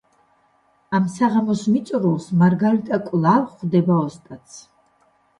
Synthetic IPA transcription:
amsaʁamɔsmit̪sʼɾulˠsmaɾɡalit̪ʼakʼlˠavχd̪ɛbaɔst̪ʼat̪sʰ

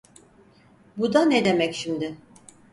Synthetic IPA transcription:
bud̪aned̪emɛcʃimd̪ɪ

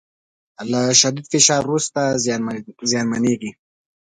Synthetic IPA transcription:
laʃad̪id̪fɪʃɑːɾːust̪a | zjɑːnmaneɡi

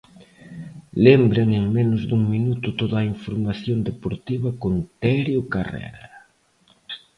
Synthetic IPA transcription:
lembɾeŋeŋmenʊzd̪uŋminut̪ʊt̪oðɐaiɱfoɾmaθjond̪epoɾt̪iβɐkont̪ɛɾjʊkarɛ̰ɾa

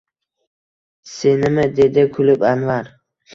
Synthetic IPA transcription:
se̞nɪmɪd̪e̞d̪ɪkʰʊlɪbanvaɾ

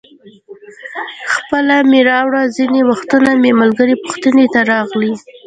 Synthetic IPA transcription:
xpəlameɾɑwɽazinewaxt̪unamemalɡəɾepʊ̥xt̪ənet̪aɾɑɣli

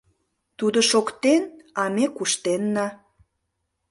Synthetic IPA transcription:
t̪ud̪oʃokt̪enɑmekuʃt̪enːɑ

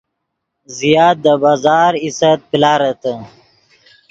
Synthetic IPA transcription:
zijaːt̪̚d̪əbaːzɑːɾisət̪̚pilaːɾət̪ə

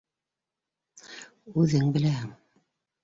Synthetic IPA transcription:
ʉðɘŋbɘ̆læhɘŋ

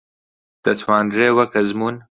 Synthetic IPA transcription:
d̪̥ɐt̪ʰwaːnreːwɐkɐzmuːn

